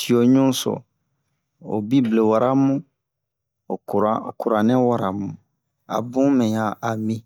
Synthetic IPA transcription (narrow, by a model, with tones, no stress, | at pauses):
si˨o˨ɲũ˦sɔ̰˨ | o̰˨bi˦ble˨wa˨ɾʔa˦mũ˦˨ | u˨ɾa˨ku˨ɾa˨nɛ̃˦wa˦ɾa˨mũ˨ | a̰˨bũ˦mɛ̃˨ja˨ʔa˨mĩ˦